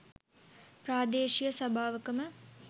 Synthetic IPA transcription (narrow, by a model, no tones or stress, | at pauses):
praːd̪eːʃijəsʋɐbʱaːʋəkəmə